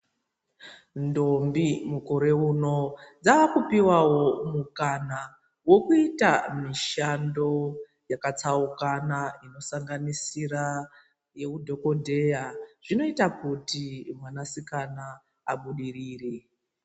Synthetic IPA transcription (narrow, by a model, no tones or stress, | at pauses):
ndo̞mbimuko̞ɾe̞uno̞d͡zaʋakupiwawo̞mukana | wo̞kuita̰miʃando̞ | jakat͡saukanaino̞saŋɡanisira | je̞kudʱo̞ko̞dʱe̞jaʐ̥ino̞itakutimwanasikana | aɓuɗiriːri